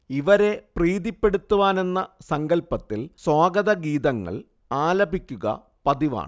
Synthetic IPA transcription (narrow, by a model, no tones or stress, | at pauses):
iʋɐɾe̞priːðipːe̞ɽut̪ːuʋaːne̞nːɐsɐŋɡɐlpɐt̪ːilswaːɡɐðɐɡiːðɐŋːɐ̰ɭ | aːlɐbʱikʲːuɣɐ̰ | pɐðiʋa̰ːɳɨ